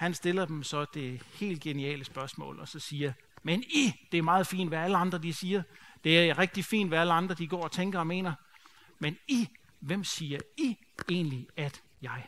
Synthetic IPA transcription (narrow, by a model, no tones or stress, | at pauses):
hænsd̥e̝lɐd̥emsɒ̽d̥e̝he̝̰ːld̥̚ɡ̥e̝niɛ̰ːləsb̥ɶɐsmɔ̰̽ːlɒ̽sɒ̽siːɐ | menid̥e̝æɐmɑ̈ːð̩ˠfḭːndʋææləɑ̈nd̥ʁɐd̥isiːɐd̥e̝æɐʁɛɡ̥̚d̥ifḭːn̥ʋææləɑ̈nd̥ʁɐd̥iɡ̥ɒ̰ːɒ̽t͡sʰeŋɡ̥ɐɒ̽me̝̰ːnɐ | meni | ʋem̰siːɐi | e̝̰ːnliæd̥ | jɑ̈ɪ